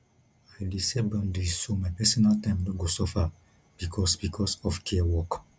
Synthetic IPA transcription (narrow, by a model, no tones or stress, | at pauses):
ailesebɔ̃ndisomajpɛsɔnaltãɪ̃mnɔt̚ɡosɔfa | b̥ikʰɔsbikʰɔsɔfkʰɛwɔk